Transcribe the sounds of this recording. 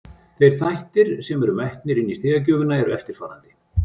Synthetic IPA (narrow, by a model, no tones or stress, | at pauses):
θejɾ̥θajht̪ɪɾ̥sɛmɛɾʏmajht̪nɪɾɪnːist̪ɪːɣac̬œːvʏnaɛɾʏ̰ɛft̪ɪɾ̥faːɾant̪ɪ̥